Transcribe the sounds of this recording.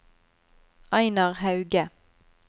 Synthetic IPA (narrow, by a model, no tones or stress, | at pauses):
ʔɑɪnɑʁhɑʉɡə